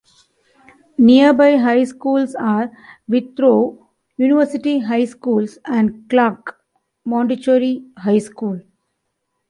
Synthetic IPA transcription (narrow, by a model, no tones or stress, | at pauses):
nijəɾbaɪɦaɪskuːlsaːɾʋɪt̪ɾoː | juːniʋəɾsɪʈiɦaɪskuːlsæ̃ɳɖklaːk | mɔ̃ːɳɖiʈoːɾiɦaɪskuːl